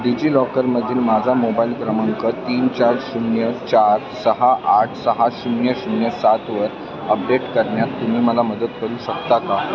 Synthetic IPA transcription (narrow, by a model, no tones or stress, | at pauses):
ɖid͡ʑiːlɔkəɾməd̪ʱiːlmad͡zʱamobailkɾəməŋkət̪iːnt͡ɕaɾɕunjət͡ɕaɾsəɦaʔaʈʰsəɦaɕunjəɕunjəsat̪ʋəɾ | əp̚ɖeʈkəɾɳjat̪ːum̤iːməlaməd̪ət̪kəɾuːɕəkt̪aka